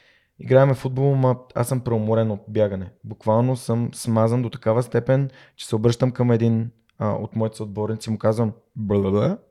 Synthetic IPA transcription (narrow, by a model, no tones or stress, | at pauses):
iɡɾaɛmɛfud̪̚bolˠmap̚a̰sɤmpɾɛomoɾɛnot̪̚bjaɡənɛbukvalˠnosɤmsmazənd̪ot̪ɐ̥kavəst̪ɛpɛn | t͡ʃɛ̥sɛobɾɤʃt̪əmkəmɛd̪in | o̰t̪mɔit̪ɛsod̪̚bɔɾnit̪simʊkazvəm | bəlˠəd̪ə